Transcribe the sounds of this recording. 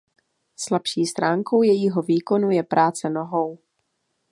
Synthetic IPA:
slapʃiːst̪ɾaːŋko̞wjɛjiɦo̞viːko̞nujɛpɾaːt͡sɛno̞ɦo̞w

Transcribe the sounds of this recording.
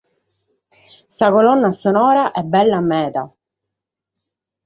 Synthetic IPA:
sakolɔnːasonɔːɾaʔɛbːɛlːaːmːɛːt̪a̰

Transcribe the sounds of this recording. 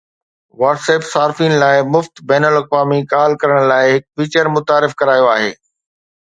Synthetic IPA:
ʋaːʈseːpsaːɾfinɪ̆laːɪmʊft̪bɛːnəlɐkʋaːmikaːlkɐɾəɽ̃laːɪɦɪkfiːt͡ɕəɾmʊt̪aːɾɪfkɐɾaːjoaːɦḛː

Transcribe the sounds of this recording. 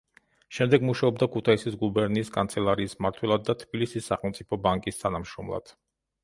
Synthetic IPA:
ʃɛmd̪ɛɡmuʃaɔb̚d̪akʰut̪ʰaisisɡubɛɾniːskʼant̪sʰɛlˠaɾiːsmaɾt̪ʰwɛlˠad̪ːat̪ʰb̥ilisisːaχɛlˠmt̪sʼipʰɔbaŋkʼist̪ʰanamʃɾɔmlˠa̰d̪̥

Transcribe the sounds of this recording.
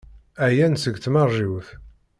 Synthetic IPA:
æjænsəɡθmɑrʒiwθ

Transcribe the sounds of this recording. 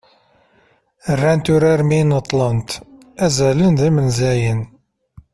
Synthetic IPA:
ərːænt̪ʊɾaɾminət̪ˤːlɑnt̪ | æzælənðimənzæjən

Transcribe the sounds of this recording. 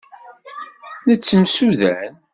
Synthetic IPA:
nət͡sːəmsuðæn

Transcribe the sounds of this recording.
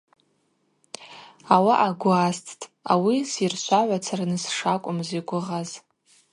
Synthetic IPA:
awaʔaɡʷʊastʰtʼawisirʃʷaʕʷat͡sʰaranɨsʂakʷʼʊmziɡʷʊʁaz

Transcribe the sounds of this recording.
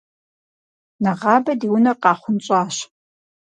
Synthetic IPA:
nɐʁɑːbɐdiwʊnɐqɑːχʷʊnt͡ʃʼɑːɕ

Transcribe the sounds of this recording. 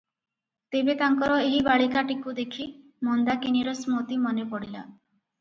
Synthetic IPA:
t̪ebet̪aŋkɔɾɔeɦibaɭikaʈikud̪ekʰi | mɔnd̪akiniɾɔsmot̪imɔnepɔɽila̰

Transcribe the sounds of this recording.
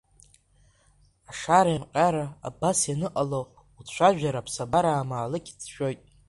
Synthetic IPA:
aʂaɾajamqʲʼaɾa̰ːbasjanɨqʼalo | ut͡ɕʷaʒᶣaɾapʰsabaɾaːmaːlɨkʲʰit͡sʰʃᶣo̞jtʼ

